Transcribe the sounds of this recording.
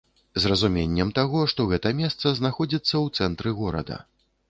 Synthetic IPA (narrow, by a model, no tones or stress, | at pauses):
zrɐzumʲenʲːɛmt̪aɣɔʂt̪ɔɣɛt̪ɐmʲɛst̪sɐznaxɔd͡zʲit̪sːɐwt̪sɛnt̪ɾɨɣɔɾɐ̰d̪ɐ̰